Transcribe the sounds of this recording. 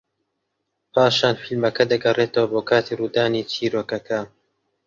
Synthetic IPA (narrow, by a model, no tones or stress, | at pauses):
pʰaːʃaːnfilmɐkɐd̪ɐɡɐrʔeːt̪ɐwɐboːkʰaːt̪ʰiːruːd̪aːnit͡ʃʰiːɾoːkɐkʰɐ